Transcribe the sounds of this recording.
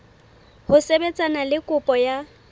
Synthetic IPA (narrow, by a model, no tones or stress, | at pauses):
hʊsebet͡sʼanalɪkʼʊpʼɔja